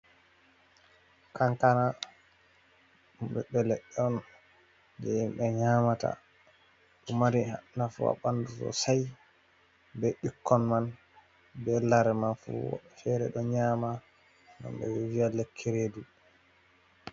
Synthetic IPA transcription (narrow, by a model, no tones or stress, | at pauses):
kaŋkana | mubɛɓɛlɛɗːɛɔn | d͡ʒɛimbɛɲaːmata̰ | ɗɔmaɾiha̰nafṵa̰ɓandutɔ̰saj | bɛɗikːɔnman | bɛlaɾɛmanfṵwɔ̰fɛɾɛ̰ɗɔɲaːma | na̰mbɛ̰wɛvialɛkʰːeɾeːdu